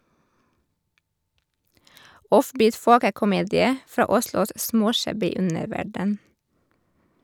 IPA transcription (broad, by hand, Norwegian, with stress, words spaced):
ˈɔfˌbiːt ˈfoːkəkʊˌmeːdɪə ˈfɾɑː ˈʊslʊs ˈsmoːˌʃæbɪ ˈʉnəɾˌʋæɖən